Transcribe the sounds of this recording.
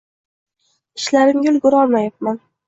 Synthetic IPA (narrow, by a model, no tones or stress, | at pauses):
ɪʃlaɾɪmjʲʊlˠɡʊɾɒlˠmajap̚man